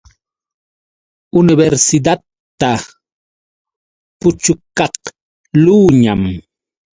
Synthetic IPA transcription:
ʊnɪbeɾsɪd̪at̪ː | a | pʊt͡ʃʊkɑq | luːɲam

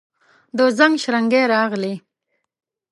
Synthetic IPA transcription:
d̪ozaŋɡʃɾaŋɡeɾɑɣli

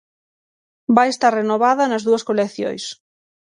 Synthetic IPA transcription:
bajest̪arrenoβaðɐnɐzðuɐskolekθjo̰js

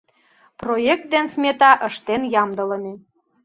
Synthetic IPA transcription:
projek̚t̪̚d̪ensmʲet̪ɑʔəʃt̪enjɑmd̪ələne

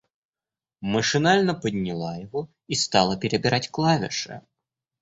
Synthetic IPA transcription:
məʂɨnalʲnəpədʲnʲɪlˠajɪvo | ist̪ɑlˠəpʲɪɾʲɪbʲɪɾʔatʲklˠavʲɪ̰ʂɨ̰

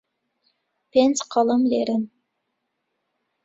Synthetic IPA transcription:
pensqʰɑlˠəmleɾɪm

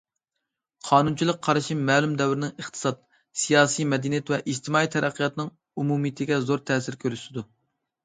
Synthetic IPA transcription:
qʰɑːnunt͡ʃʰilˠəq̚ʰːɑɾɨʃimɛːlˠymd̪ɛwɾɪnɪŋəχt̪ʰɨ̥sɑt̪̚ | sijɑːsijmɛd̪inijɛt̪vɛʔid͡ʒt̪ʰɨmɑːit̪ʰɛɾʔæqʰːijɑt̪nɨŋ | umumit̪ʰɪɡʲɛzoɾt̪ʰɛːsɪɾkʲʰøɾysɪd̪u

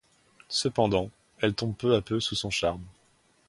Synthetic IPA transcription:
səpɑ̃d̪ɑ̃ | ɛlt̪ɔ̃b̚pøapøsusɔ̃ʃaʁm

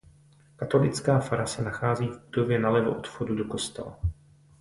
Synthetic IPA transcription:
kat̪o̞lɪt͡skaːfaɾasɛnaxaːziːvbudo̞vjɛnalɛvoʔot̪fxodudoko̞st̪ɛla̰

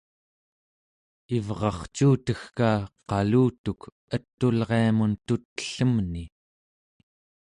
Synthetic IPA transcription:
ivʁɑχt͡ʃuːt̪əxkaːqɑluːt̪uk | ət̪ːulʁe̞amunt̪ut̪ːə̥ɬəmni

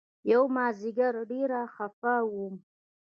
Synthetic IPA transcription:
jawmaːziɡaɾɖeɾaχafawum

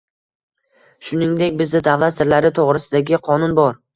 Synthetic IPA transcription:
ʃʊnɪŋd̪e̞kʲbɪznɪd̪avlat̪sɪɾlaɾɪt̪ʰoʁɾɪsɪd̪aɡʲɪqʰɒnʊnbɒɾ

